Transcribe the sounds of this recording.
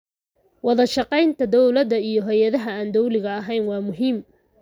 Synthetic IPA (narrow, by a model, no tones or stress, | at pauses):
wɑðɐʃɑqɛjnt̪ʰɐd̪ɔwlɐd̪ɐijɞɦɛjɐðɐɦɐaːnd̪ɔwlɪɣɐːɦɛjnwɑːmʊɦiːm